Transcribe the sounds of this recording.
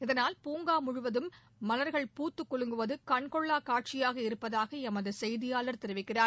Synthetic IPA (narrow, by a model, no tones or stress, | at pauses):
ɪðɐnaːlpuːŋɡaːmʊɻʊʋɐðɯmː | ɐlɐɾɣɐɭpuːt̪ːɯkːɔɭɯŋɡɯʋɐðɯkɐɳkɔɭːaːkaːʈ̚t͡ʃɪjaːɣɐɪɾɯpːɐðaːɣɐɛmɐðɯsɛjðɪjaːlɐɾt̪ɛɾɯʋɪkːɪraːɾ